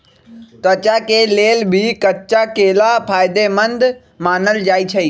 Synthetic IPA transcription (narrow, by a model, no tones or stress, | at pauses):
t̪ɐt͡ɕakeleːlbʱikɐt͡ʃakeːlapʰaːjd̪emɐ̃nd̪ | maːnəld͡ʒaːit͡ʃʰɐiː